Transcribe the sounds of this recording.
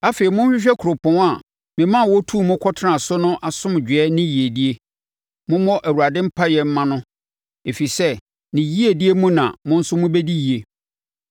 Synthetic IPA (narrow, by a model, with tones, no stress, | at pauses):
a˦fe˨ɾi˨mʊ̃˦ɕᶣɪ˦ɕᶣɛ˦kʰɾo˨pʰʊ̃˨˦a˨ | mɪ̃˨mã˦˨wɔ˦tʰu˦˨mʊ̃˦kʰɔ˦tʰnã˨sʊ˦nʊ̃˦ʔa˨sʊ̃˦m˨d͡ʑᶣɪ˨ɛ˦nɪ̃˦ji˨e˨di˦e˦ | mʊ̃˦mɔ̃˦ʔæ˨wu˨ɾa˨dɪ̃˦m̩˦pʰa˦jɛ˨m̩˦mã˦nʊ̃˦ | e˨fi˨sɛ˦ | nɪ̃˨ji˦e˨di˦e˦mũ˦nã̰˨mʊ̃˦n̩˦sʊ˦mʊ̃˦be˦di˦ji˨e˨